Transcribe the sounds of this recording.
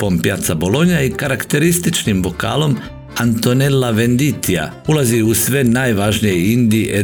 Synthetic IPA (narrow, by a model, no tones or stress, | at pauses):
po̞mpjat̪sabo̞lˠo̞ɲaikaɾakt̪e̞ɾist̪it͡ʃnimbo̞ka̰ːlo̞m | ant̪o̞nelːaʋe̞nd̪it̪ia̰ | ulaziusʋe̞naːjʋaʒnijeind̪iʔe